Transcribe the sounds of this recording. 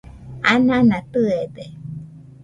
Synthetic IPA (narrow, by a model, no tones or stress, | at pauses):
anãnãt̪ɯed̪e